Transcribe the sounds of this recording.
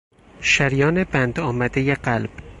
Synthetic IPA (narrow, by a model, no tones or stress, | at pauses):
ʃæɾjɒːnebænd̪ɒːmæd̪ejeɢælb̥